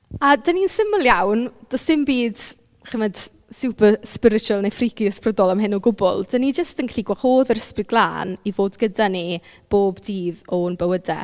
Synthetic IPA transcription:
adəninsɪməlˠjawnd̥ɔsɪmbiːd | χəmɛd̥ | suwpəspɪɾɪt͡ʃuəlˠnefrɪɡiəspʰrədɔlˠamɦɪnɔɡʊbɔ̰lˠd̥ənid͡ʒəstənkʰɬiɡwaχoːðəɾəspɨɡlˠa̰ːnivoːdɡədani | b̥oːbdiːðɔnbəwədɛ̰

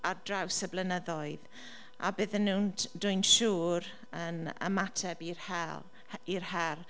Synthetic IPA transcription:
ardrawsəblənəðɔɨð | a̰bɨːðənːuːndʊɨnʃuːɾ | ənə̰matʰɛbirhɛ | irhɛr

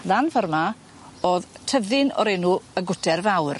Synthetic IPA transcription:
ðanvərma | oːðtʰəðɪnɔ̰ɾenuəɡʊtɛrvawr

